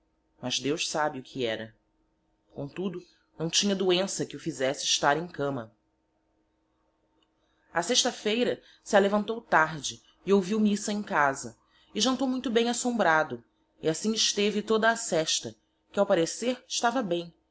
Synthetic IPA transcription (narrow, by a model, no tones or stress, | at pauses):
mɐzd̪ewʃsabɪʊkʰiɛɾɐ | kõt̪ud̪ʊ | nɐ̃w̃t͡ʃĩɲɐd̪uẽsɐkɪufizɛsɪɪʃt̪aɾẽj̃kɐ̃mɐ | aseʃt̪ɐfejɾɐ | sɪalevɐ̃nt̪owt̪aɾd͡ʒɪː | owviwmisɐẽj̃kazɐ | ɪʒɐ̃nt̪owmũj̃t̪ʊbẽj̃asõmbɾad̪ʊ | iasĩɲɪʃt̪evɪt̪od̪ɐːsɛʃt̪ɐ | kɪawpaɾeseɾɪʃt̪avɐbẽj̃